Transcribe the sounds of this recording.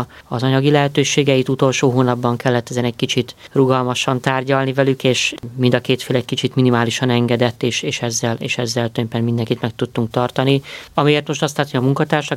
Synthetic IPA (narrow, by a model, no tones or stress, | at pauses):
ɒzɒɲɒɡilɛɦɛt̪øːʃeːɡɛjit̪ut̪o̞lʃoːɦoːnɒbːɒŋkɛlːɛt̪ːɛzɛnɛc̚kit͡ʃit̪ruɡɒlmɒʃɒnt̪aːrɟɒlnivɛlykeːʃmind̪ɒkeːt̪feːlɛc̚kit͡ʃit̪minimaːliʃɒnɛŋɡɛd̪ɛt̪ːeːʃeːʃɛzːɛlḛːʃɛzːɛlt̪ømpɛnmind̪ɛŋkit̪mɛk̚t̪ut̪ːuŋk̚t̪ɒrt̪ɒniɒmijeːrt̪mo̞ʃt̪ɒst̪laːt̪ːojɒmuŋkɒt̪aːrʃɒ